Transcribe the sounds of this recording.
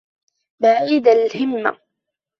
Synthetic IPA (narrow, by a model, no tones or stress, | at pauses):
baʕid̪alhɪmːa̰